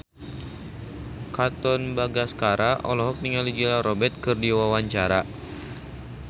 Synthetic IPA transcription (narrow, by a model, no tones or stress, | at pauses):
kat̪ɔnbaɡaskaɾaʔɔ̰lɔɦɔk̚niŋalid͡ʒilaɾɔbɛt̪̚kɨrdiwawaɲt͡ʃaɾa